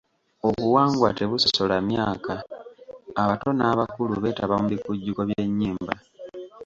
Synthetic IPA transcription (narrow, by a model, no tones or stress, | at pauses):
o̞βuwaːŋɡwa̰te̞βuso̥so̞lamjaːkaː | βato̞naːβakuluβe̞ːtaβamuβikuɟːuko̞βje̞ɲːiːmba̰